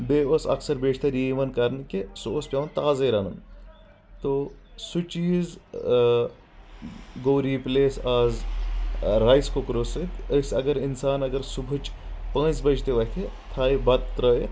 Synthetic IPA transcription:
beːosɐ̰ksɐɾbeːt͡ʃʰt̪ɐɾjeːʋɐnkɐɾnkesoːspʲjaːʋɐnt̪aːzeɾɐnum | t̪oː | sut͡ʃiːz | ɡoːɾiːpleːsaːz | ɾaːjskokɾoːsɨt̪sɐɡəɾinsaːnɐɡɐɾsubʱut͡ʃpə̃ːnsbɐt͡ʃʰt̪eʋɐk̪ʰe | t̪ʰaːibɐt̪t̪ɾɐe

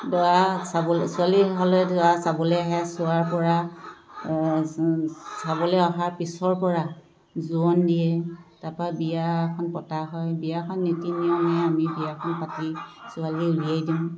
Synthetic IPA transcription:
dɔasabɔlsʊaliɦɔlɛdɔwasabɔlɛɦɛsʊaɹpɔɹa | sabɔlɛɔɦaɹpisɔɹpɔɹa | zuɔndijɛtapɔabijakʰɔnpɔtaɦɔjbijakʰɔnːetinijɔmɛamibijakʰɔnpatisʊaliulijajdiʊ̃

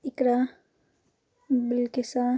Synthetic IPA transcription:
ɪkɾa | bɪlkisa

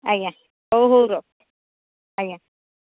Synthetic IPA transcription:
aja | ohuɾok̚ | aja

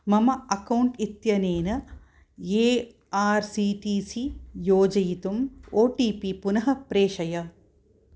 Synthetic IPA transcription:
mɐmɐɐkɐwɳʈit̪jɐneːnɐ | eː | aːɾsiːʈiːsijoːd͡ʒɐjit̪umoːʈiːpipunɐɦɐpɾeːʃɐjɐ

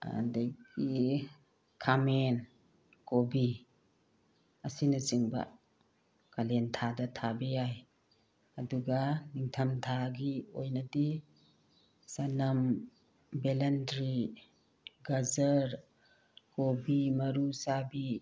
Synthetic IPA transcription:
a̰dejɡi | kʰamen | kobi | ɐsinɐsiŋbɐ̰ | kalentʰadɐtʰabejaj | ɐduɡaniŋtʰɐmtʰaɡiojnɐdi | sanɐm | belendɾi | ɡazɐɾ | kobimɐɾusabi

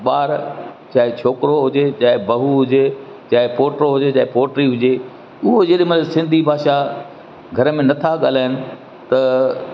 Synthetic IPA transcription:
ɓaːɾt͡ɕaːɦɪt͡ɕʰoːkɾoɦʊd͡ʑet͡ɕaːɪbɐɦuɦʊd͡ʑe | t͡ɕaːɦɪpoːʈɾoɦʊd͡ʑet͡ɕaːɦɪpoːʈɾiɦʊd͡ʑe | ʊɦod͡ʑeɗĩmɐt̪ləlsɪ̃nd̪ʱibʱaːʃa | ɡʱɐɾəmẽnɐt̪ʰaɠaːl̤aːɪnɪ̆ | t̪ɐ

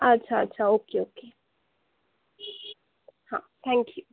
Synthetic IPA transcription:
ʔat͡ʃʰat͡ʃʰaokʰeoke | hã̰t̪ʰæ̃ŋkʰju

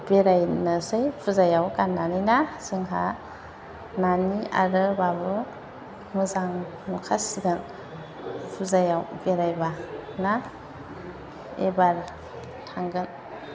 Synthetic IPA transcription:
beɾajnɯsɯjpʰuzajawkanːanɯjnasɯŋɦa | nania̰ɾɯbabɯ | mɯzaŋ | nukʰasiɡɯn | pʰuzajawbeɾajbana | ḛbaɾ | tʰaŋɡɯn

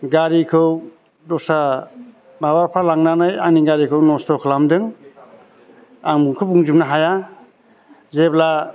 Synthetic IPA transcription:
ɡaɾikʰɯw | dɔsa | mabaɾpʰalaŋnanɯjaŋniɡaɾikʰɯwnɔstɔkʰɯlamdɯŋ | aŋmuŋkʰɯbuŋzip̚naɦaja | zebla

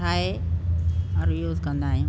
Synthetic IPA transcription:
aːɦe | ɔɾjuːzkɐ̃nd̪aːɦĩũ

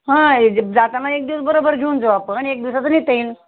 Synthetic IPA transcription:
ɦãd͡zat̪anaek̚d̪iʋəsbəɾobəɾɡʱiuːnd͡zoapəɳ̃ek̚d̪iʋsat͡səniːt̪əiːn

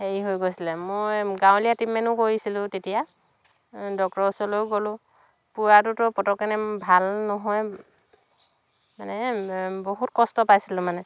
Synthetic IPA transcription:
heɹiɦojɡojsilɛmojjɡãwlijatimɛnʊkoɹisilʊ̃tetija | dɔk̚ɔsɔlojɡolʊ̃ | puwatʊtɔpɔtɔkːɛnɛbʱalnɔɦɔj | manɛboɦutkɔstɔpajsilʊ̃manɛ

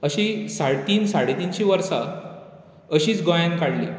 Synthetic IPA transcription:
əɕisaɽt̪iːnsaɽet̪iːnt͡ɕĩʋəɾsa | əɕiːt͡sɡojankaɽlḭ

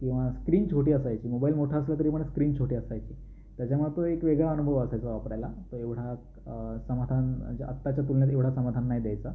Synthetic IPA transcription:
kĩw̃ʋaskɾiːnt͡ɕʰoʈiːəsajt͡ɕiːmobailmoʈʰaəslak̪əɾiːpəɳskɾiːnt͡ɕʰoʈiːəsajt͡ɕiː | t̪jat͡ɕamət̪oekʋeɡɭaənubʱəʋəsajt͡səʋapɾajlat̪oeʋɽ̤a | səmad̪ʱand͡ʑə̰t̪ːat͡ɕjat̪ulnjat̪eʋɽ̤asəmad̪ʱanːajid̪jajt͡sa

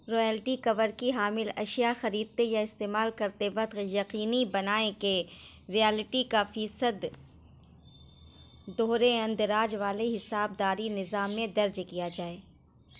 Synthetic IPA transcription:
ɾoːjɛːlʈikɐʋəɾkiɦaːmɪlɐ̰ʃijaxɐɾiːd̪̚t̪ejaɪst̪eːmaːlkɐɾt̪eʋɐt̪qjɐqiːnibɐnaːẽke | ɾijɛːlɪʈikafiːsəd̪ | d̪oːɾeɐ̃nd̪ɾaːd͡ʒʋaːleɦɪsaːb̚d̪aːɾinɪzaːmːẽd̪ɐɾd͡ʒkijad͡ʒaːeː

